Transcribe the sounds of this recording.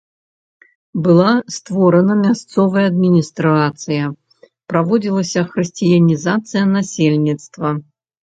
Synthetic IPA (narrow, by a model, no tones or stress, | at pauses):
bɨlˠast̪vɔɾɐnɐmʲast̪sɔvɐjɐːd̪̚mʲinʲist̪ɾat̪sɨjɐ | pɾavɔd͡zʲilˠɐsʲɐxɾɨsʲt͡sʲijɐnʲizat̪sɨjɐnasʲelʲnʲit̪st̪vɐ